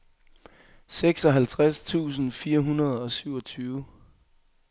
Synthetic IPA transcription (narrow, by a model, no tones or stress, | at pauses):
seɡ̥sɒ̽ɦælt͡sʰʁast͡sʰṵːs̬n̩fiːɐɦunɐð̞ˠɒ̽syʊ̰ɒ̽t͡sʰyːʊ